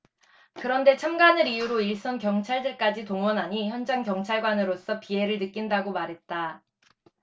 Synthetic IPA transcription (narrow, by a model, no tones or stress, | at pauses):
kɯɾʌnde̞t͡ɕʰamɡanɯɾijuɾoiɭs͈ʌnkjʌŋt͡ɕʰaɭdɯɭk͈ad͡ʑitoŋwʌnɦaɲiçjʌnd͡ʑaŋkjʌŋt͡ɕʰaɭɡwanɯɾos͈ʌpie̞ɾɯɭnɯk͈indaɡomaɾɦe̞t̚t͈a